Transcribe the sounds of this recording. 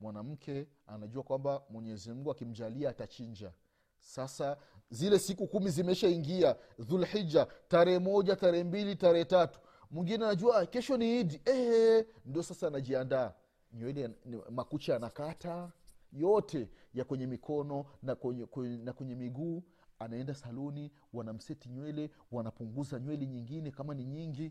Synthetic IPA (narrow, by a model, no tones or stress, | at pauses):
mwanam̩kʰɛ | a̰naʄuakwambamwɛɲɛzim̩ɡuakim̩ʄaliaːtat͡ʃiɲd͡ʒa | sasa | zilɛsikukumizimɛʃaiŋɡia | ðulħid͡ʒataɾɛhɛmɔʄataɾɛɛmbilitaɾɛhɛtatu̥ | mwiŋɡinɛanaʄuwakɛʃɔniidiɛhɛ | ndiɔsasaːnaʄiandaː | ɲwɛlɛmakut͡ʃaanakatajɔtɛjakwɛɲɛmikʰɔnɔnkɛnakwɛɲɛmiɡuː | anaɛndasalɔni | wanam̩sɛtiɲwɛlɛ | wanapuŋɡuzaɲwɛlɛɲiŋɡinɛkamaniɲiŋɡi